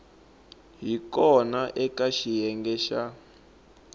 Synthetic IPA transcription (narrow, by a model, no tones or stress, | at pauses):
ɦikɔnaʔɛkaʃijɛŋɡɛʃa